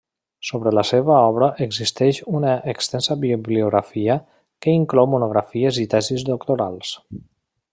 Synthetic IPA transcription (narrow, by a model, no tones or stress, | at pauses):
soβɾələseβəɔβɾəʔəɡzist̪ɛʃunəʔːkst̪ɛnsəβiibliuɣɾafiə | kəiŋklɔwmunuɣɾafiəzit̪ɛzizd̪okt̪oɾa̰lˠs